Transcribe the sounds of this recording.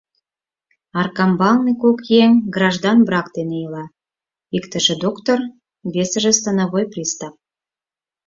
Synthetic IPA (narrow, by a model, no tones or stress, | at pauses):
ɑrkɑmbɑlnekokjeŋɡrɑʒd̪ɑnbrɑkd̪enejəlɑ | ikt̪ə̆ʒĕd̪okt̪or | βesə̆ʒĕst̪ɑnɑβojprʲist̪ɑp̚